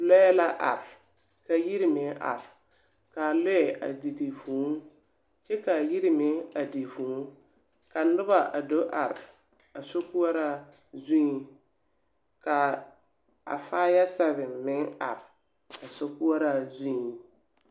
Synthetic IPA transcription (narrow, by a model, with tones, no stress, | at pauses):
lɔ˦ɛ˦la˦ʔa̰˨ɾɪ˨ | ka˨ji˦ɾi˦mɪ˨ŋʔa̰˨ɾɪ˨ | ka˨lʊ˦ɛ˨ʔa̰˨di˨di˨fũː˨˦ | t͡ʃɛ˦ka˨ji˦ɾɪ˨mɪ˨a˨di˨vũ˨˦ | ka˨n̩˦ʊ˦ba˨ʔa˨do˦ʔa˨ɾɪ˨ | a˨so˦ku˦a˦ɾa˦ | zũ˦i˨ | ka˨ | a̰˨faː˦ja˦sa˦βɪ˨m˨mɪ˦ŋa̰˨ɾ | a˨so˦ku˦a˦ɾa˨zũ˦i˨